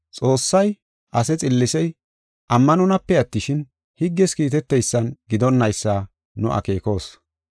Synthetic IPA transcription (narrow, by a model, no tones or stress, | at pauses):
t͡sʼo̞ːsːɐj | ʔɐsɛt͡sʼɪlːɪsɛj | ʔɐmːɐnɔnɐpːɛɐt̪ːɪʃɪn | hɪɡːɛskiːt̪ɛt̪ːɛjsːɐnɡɪd̪ɔnːɐjsːaː | nʊ̰ʔɐ̰ke̞ːko̞ːs